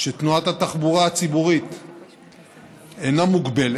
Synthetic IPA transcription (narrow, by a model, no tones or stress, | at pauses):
ʃet̪nuat̪hat̪aχbuʁaat͡sibuʁit̪ | enamuɡbel